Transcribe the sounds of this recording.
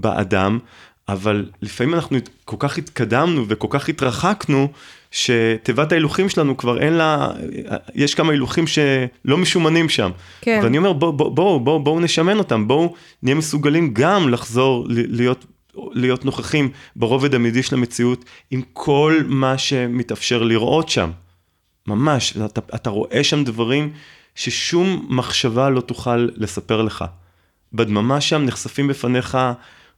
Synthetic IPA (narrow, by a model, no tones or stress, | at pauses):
ba̰ʔa̰dam | avalːifamimanaχnuiko̞lkaχhitkadamnuvekolkaχhitʁaχaknuʃe̞tevatailuχimʃelanukvaʁe̞nla̰ | jeʃkamailuχimʃe̞lo̞meʃumanimʃa̰m | vvɛanio̞me̞ʁbobobo̞bo̞bo̞uneʃame̞no̞tambo̞w | nijemesuɡalimɡamlaχzo̞ʁllijo̞t | lijo̞tno̞χaχimbeʁo̞ved̪amidiʃelame̞t͡siutimkʰo̞lmaʃe̞mitafʃe̞ʁliʁʔo̞tʃa̰mː | amaʃtaataʁo̞̰ʔe̞ʃamdvaʁim | ʃeʃumːaχʃavalo̞tuχalːe̞sape̞ʁle̞χa̰ | bad̪mamaʃamneχsafimbefane̞χa